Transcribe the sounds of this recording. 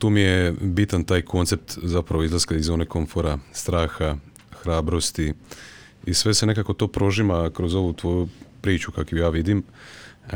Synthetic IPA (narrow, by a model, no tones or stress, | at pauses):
t̪uːmije̞bit̪ant̪aːjkʰo̞nt̪se̞p̚t̪zapɾaʋoizlˠaskaizoːneko̞ɱfo̞ɾast̪ɾaːxa | xɾaːbɾo̞st̪i | isʋe̞se̞ne̞kako̞t̪o̞ːpɾo̞ʒimakɾo̞zo̞ʋut̪ʋo̞ːjupɾiːt͡ʃukakujaːʋid̪im